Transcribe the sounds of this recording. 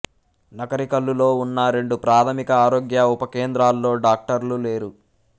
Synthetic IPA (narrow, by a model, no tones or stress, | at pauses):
nɐɡɐɾikɐlːulo̞ːunːɐɾe̞ɳɖupɾaːt̪ʰɐmikɐaːɾoːɡjɐupɐkeːnd̪ɾaːlːo̞ːɖaːk̚ʈɐɾlule̞ːɾu